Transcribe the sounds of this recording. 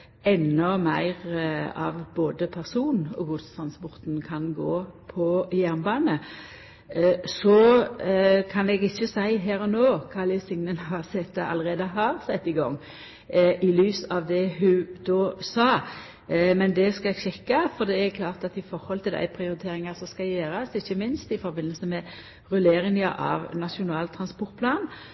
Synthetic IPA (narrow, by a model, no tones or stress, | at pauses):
ɛnːɔmæɪʁɑ̰ʋboːd̪əpʰæʁsuːnɔ̰ɡʊd̪st̪ʰɾʁɑnspɔʁt̪nkʰɑnɡoːpʰɔjæʁnbɑːnə | sɔ | kʰɑnɛɡɪçːəsæɪɦæːɾɔnoːkʰɑːləsɪŋnənhɑʁsɛt̪ːɑ̰lːəʁeːd̪əɦɑʁsɛt̪ːɪɡɔ̰ŋː | ʔɪlyːsɑʋd̪ɛhʉd̪oːsɑː | mɛnd̪ɛskɑɛɡɕɛkːɑfɔɾd̪ɛɛɾkʰlɑːʁt̪ɑt̪ɪfɔɾhɔlt̪ʰɪld̪æ̰ɪpʰɾɪʊɾɪt̪ʰeːɾɪŋɑɾsɔskɑjøːɾɑsɪçːəmɪnst̪ɪfɔɾbɪnːəlsəmɛ | ʁʉleːɾɪŋɑʔɑ̰ʋnɑʂʊnɑːlt̪ʰɾɑnspɔɾt̪̚pʰlɑːn